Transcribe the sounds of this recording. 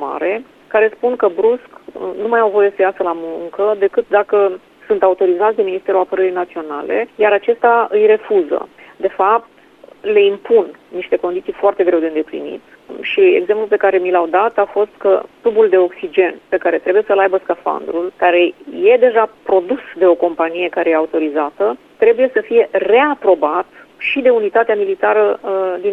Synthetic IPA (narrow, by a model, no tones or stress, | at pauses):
ma̰ɾe̞ | kaɾe̞spunkəbɾusknumajawvo̞je̞səjasəlamuŋkəd̪e̞kɨt̪̚d̪akə | sunt̪aut̪o̞ɾizat̪sd̪e̞minist̪e̞ɾuapəɾəɾijnat̪sio̞nale̞̰jaɾat͡ʃe̞st̪aɨjre̞fuzə̰d̪e̞fap̚t̪ | le̞impunːiʃt̪e̞ko̞nd̪isijfoart̪e̞ɡɾe̞wd̪eɨnd̪eplḭnḭt̪ | ʃie̞̰ɡzemplulpe̞kaɾe̞milawd̪at̪afo̞st̪kəklubuld̪e̞o̞ksid͡ʒe̞npe̞kaɾe̞t̪ɾe̞buje̞səlajbəskafa̰nd̪ɾulkaɾe̞je̞d̪e̞ʒapɾo̞d̪usd̪e̞o̞ko̞mpanije̞kaɾe̞jeaut̪o̞ɾizat̪ə | t̪ɾe̞buje̞səfije̞re̞apɾo̞bat̪ | ʃid̪e̞unit̪at̪eamilit̪aɾəd̪i